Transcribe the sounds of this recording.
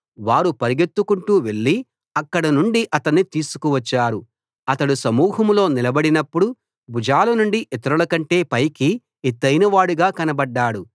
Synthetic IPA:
ʋaːɾupɐɾiɡe̞t̪ːukuɳʈuːʋe̞ɭːi | ɐkːɐɽɐnuɳɖiʔɐt̪ɐnːit̪iːsu̥kuʋɐt͡ʃːaːɾu | ɐt̪ɐɽusɐmuːhɐmlo̞ːnilɐbɐɽinɐpːuɽu | bʱud͡ʒaːlɐnuɳɖiʔit̪ɐɾɐlɐkɐɳʈe̞ːpɐjki | et̪ːɐjnɐʋaːɽuɡaːkɐnɐbɐɖːaːɽu

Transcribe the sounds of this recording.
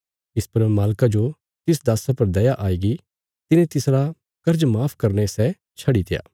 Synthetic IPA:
ɪspɐɾmaːlkad͡ʒo | t̪ɪsd̪aːsapɐɾd̪ɐjaʔaːiːɡi | t̪ɪnẽt̪ɪsɾa | kɐɾd͡ʒmaːpʰkɐɾnesɛ | t͡ʃʰɐɽit̪eja̰ː

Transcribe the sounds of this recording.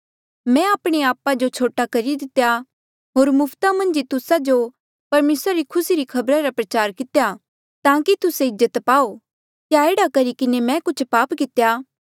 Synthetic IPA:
mɛ̃aːpɽ̃eaːpad͡ʒot͡ʃʰoːʈakɐɾid̪ɪt̪ːeja | ɦoːɾmʊpʰt̪amɐ̃nd͡ʒit̪ʊsad͡ʒo | pɐɾmeːsɾaɾikʰʊsiɾikʰɐbɾaɾapɾɐt͡ʃaːɾkɪt̪ja | t̪ãːkit̪ʊseɪzːət̪paːo | kjaeːɽakɐɾikɪnemɛ̃kʊt͡ʃʰpaːpkɪt̪eja

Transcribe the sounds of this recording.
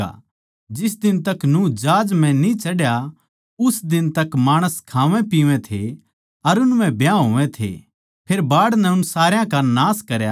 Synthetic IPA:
a̰ | d͡ʒɪs̬d̪ɪnt̪ɐknũːd͡ʒaːd͡ʒm̤ɛ̃nit͡ʃɐɽja | ʊsd̪ɪnt̪ɐkmaːɽ̃əskʰãːʋɛ̃piːʋẽt̪ʰḛ | ɐɾʊnm̤ɛ̃bjãɦoːʋɛ̃t̪ʰḛ | pʰeːɾbaːɽnɛʊnsaːɾjãkanaːskɐɾja

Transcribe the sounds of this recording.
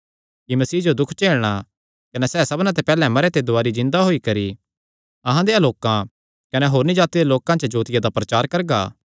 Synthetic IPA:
kimɐsiːd͡ʒod̪ʊkʰt͡ʃeːɭɽ̃a | kɐnɛsɛːsɐbnãt̪̬epɛːlɛ̃mɐɾet̪ed̪ʊaːɾid͡ʒɪ̃nd̪aɦoːikɐɾi | ɐɦãd̪ealoːkã | kɐnɛɦoːɾnĩd͡ʒaːt̪id̪eloːkãt͡ʃəd͡ʒoːt̪ɪjad̪apɾɐt͡ʃaːɾkɐɾɡa̰ː

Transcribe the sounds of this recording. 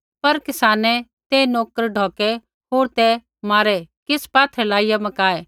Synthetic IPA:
pɐɾkɪsaːnɛ | t̪ɛnoːkəɾɖʱɔːkɛ | ɦoːɾt̪ɛ | maːɾɛkɪspaːt̪ʰɛlaːɪjamɐkaːɛː

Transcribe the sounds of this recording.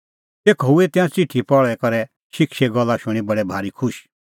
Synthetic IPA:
t̪eːkʰɦuet̪ɪãt͡sɪʈʰːipɔɭɛkɔɾɛ | ʃɪkʃɛɡɔlːaʃʊɽ̃ibɐɽɛbʱaːɾikʰʊʃ

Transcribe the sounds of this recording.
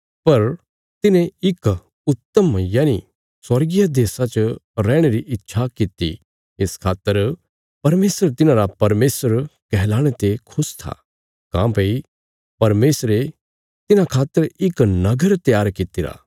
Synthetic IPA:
pɐɾ | t̪ɪnẽɪk | ʊt̪ːəmjaːni | sɐɾɡɪjad̪eːsat͡ʃɾɛːɽ̃eɾiʔɪtːʃʰakɪt̪ːḭ | eːskʰaːt̪ːəɾ | pɐɾmeːsɾet̪ɪnãɾapɐɾmeːsəɾkɛɦlaːɽ̃et̪ekʰʊst̪ʰa̰ | kã̰ːpei | pɐɾmeːsɾe | t̪ɪnãkʰaːt̪ːəɾɪknɐɡəɾt̪jaːɾkɪt̪ɪɾa̰ː

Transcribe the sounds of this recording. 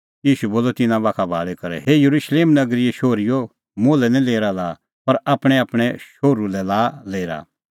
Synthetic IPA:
jiːʃuboːlɔt̪ɪnãʋaːkʰabʱa̰ːɭɛkɐɾɛ̰ɦejɐɾuʃleːmnɐɡɾɪɛʃoːɾɪjo | moːlɛnɛ̃leːɾalaː | pɐɾaːpɽ̃ɛaːpɽ̃ɛʃoːɾulɛlaːleːɾa̰

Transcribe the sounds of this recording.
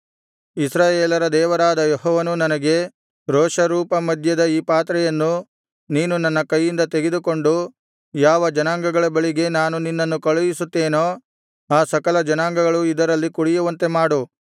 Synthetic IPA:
isɾaːjeːlɐɾɐd̪ɛːʋɐɾaːd̪ɐjeɦɔːʋɐnunɐnɐɡe̞ | ɾoːʂɐɾuːpɐmɐd̪ʱjɐd̪ɐiːpaːt̪ɾɛjɐnːu | niːnunɐnːɐkɐjːind̪ɐt̪e̞ɡe̞d̪uko̞ɳɖu | jaːʋɐd͡ʒɐnaːŋɡɐɡɐɭɐbɐɭiɡe̞naːnuninːɐnːukɐɭɐjisut̪ːe̞ːnoː | aːsɐkɐlɐd͡ʒɐnaːŋɡɐɡɐɭuid̪ɐɾɐlːikuɽijuʋɐnt̪e̞maːɽu

